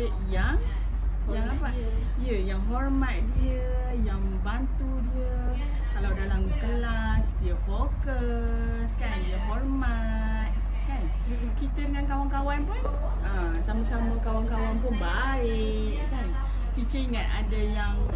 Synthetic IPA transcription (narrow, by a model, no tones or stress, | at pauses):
əʔjaŋ | jaapa | ijəjaŋɦɔrmat̪̚diiə | jaŋəbant̪udiə | kalawdalamɡəla | st̪iafokə | skandiaɦɔrma | t̪̚ | kan | kit̪ədəŋankawaŋkawanpʊn | ʔa | saməsaməkawaŋkawanp̬ʊnba | ɪ | ʔ | kan | kit͡ʃiiŋat̪a̰dajaŋ